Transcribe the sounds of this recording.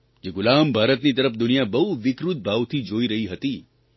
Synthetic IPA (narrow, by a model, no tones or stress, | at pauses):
d͡ʒeɡʊlambʱaːɾət̪nit̪əɾəpd̪ʊnijabəɦuʋɪkɾut̪̚bʱaʋt̪ʰid͡ʒoiɾəɦiɦət̪i